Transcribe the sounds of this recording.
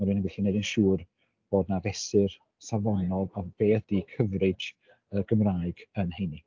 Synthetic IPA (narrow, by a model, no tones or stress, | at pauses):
maɾuɨnənɡɪɬinedɪnʃuːr | b̥oːdnavɛsɨr | savɔnɔlˠɔb̥eːθd̥iːkʰəvrɨd͡ʒ | ərɡ̥əmraːɨɡənhejni